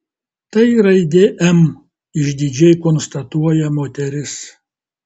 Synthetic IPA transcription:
t̪ɐɪɾɐɪd̪ʲeʔɛm | ɪʒʲd̪ʲɪd͡ʒʲɛɪkɔnst̪ɐt̪uɔjɛmoːt̪ʲɛɾʲɪs

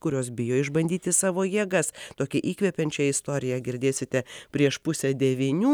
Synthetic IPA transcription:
kʊɾʲoːsbʲɪjoːɪʒbɐnʲd̪ʲiːt̪ʲɪsɑːʋoːjiɛɡɐst̪oːkʲɛʔiːkʋʲɛpʲɛnʲt͡ʃʲɛjɪst̪oːɾʲɪjɛɡʲɪɾʲd̪ʲeːsʲɪt̪ʲɛpʲɾʲiɛʃpʊsʲɛd̪ʲɛʋʲinʲuː

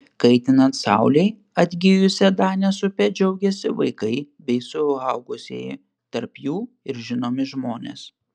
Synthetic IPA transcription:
kɐɪt̪ʲɪnɐnt̪sɑ̰ʊlʲɛɪ | ɐd̪ʲɡʲɪjʊsʲɛd̪ɑːnʲɛsʊpʲɛd͡ʒʲɛʊɡʲɛsʲɪʋɐ̰ɪkɐɪbʲɛɪsʊɐʊɡʊsʲḛːj | t̪ɐɾpjuː | ɪɾʒʲɪnoːmʲɪʒmoːnʲḛːs

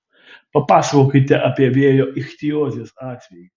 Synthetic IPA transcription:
pɐpɑːsʋoːkʲɪt̪ʲɛʔɐpʲiɛʋʲeɛjoːʔɪxʲt̪ʲɪjoːzʲeːsɑːt̪ʲʋʲɛji

